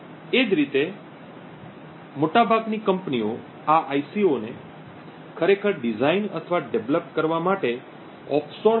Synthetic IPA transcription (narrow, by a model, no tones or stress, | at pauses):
ed͡ʒɾit̪e | moʈabʱaɡnikəmpnio | aʔajsione | kʰəɾekʰəɾɖid͡ʒainə̰t̪ʰəʋaɖeʋləpkəɾʋamaʈe | ɔpʰso